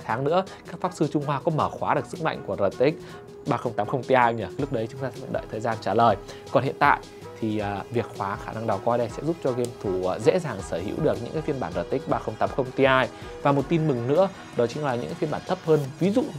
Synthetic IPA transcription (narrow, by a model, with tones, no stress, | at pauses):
t̪ʰaː˨˦ŋnɨ̰˧˥əkaː˦˥k̚faː˦˥p̚sɨ˧t͡ɕʊ˧ŋ͡mhwaː˧kɔ˨˦məː˧˩xwaː˨˦ɗɨ˨˩ək̚sɨ˦˥k̚ma̰˧˨jŋ̟ku˧˩əzəː˨˩tt̪ï˦˥k̟̚ | ɓaː˧xə˧wŋ͡mt̪aː˨˦mxə˧wŋ͡mt̪i˧ʔaː˧jɲəː˧˩˦lʊ˦˥k̚ɗə˨˦jt͡ɕʊ˨˦ŋ͡mt̪aː˧sɛ˧˥fjɗə̰ː˧˨jt̪ʰəː˨˩jzaː˧nt͡ɕaː˧˩ləː˨˩j | kɔ˨˩nhḭ˧˨ənt̪a̰ː˧˨j | t̪ʰi˨˩əː˨˩vi˨˩ək̚xwaː˨˦xaː˧˩na˧ŋɗa˨˩wkɔ˧jɗə˧jsɛ̰˧˥zu˦˥p̚t͡ɕɔ˧ɣe˧mt̪ʰuː˧˩˨zḛ˧˥zaː˨˩ŋsəː˧˩hḭ˧˥wɗɨ˨˩ək̚ɲɨ̰˧˥ŋkaː˨˦fi˧nmɓaː˧˩nzəː˨˩t̪ï˦˥k̟̚ɓaː˧xə˧wŋ͡mt̪aː˨˦mxə˧wŋ͡mt̪i˧ʔaː˧j | vaː˨˩mo˨˩t̚t̪i˧nmɨ˨˩ŋnɨ̰˧˥ə | ɗɔ˨˦t͡ɕï˨˦ŋlaː˨˩ɲɨ̰˧˥ŋkːa˨˦fi˧ɓaː˧˩nt̪ʰə˦˥p̚həː˧nvi˨˦zṵ˧˨